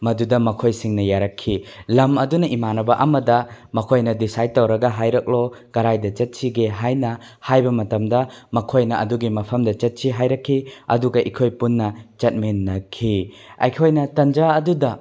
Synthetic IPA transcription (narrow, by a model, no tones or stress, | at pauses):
mɐdudɐmɐkʰojsiŋnɐjaɾɐkʰːilɐmɐdunɐʔimanɐbɐʔɐmɐdɐmɐkʰojnɐdisaj̚tːɐwɾɐɡɐɦajɾɐk̚loɡ̥ɐɾajdɐt͡ʃɐt̚siɡeɦajnɐ | hajbɐmɐtɐmdɐmɐkʰojnɐɐduɡimɐpʰɐmdɐt͡ʃɐt̚siɦajɾɐkʰːiɐ̰duɡɐʔikʰojpunːɐt͡ʃɐt̚menːɐkʰi | ɐ̰jkʰojnɐtɐnd͡ʒaɐdudɐ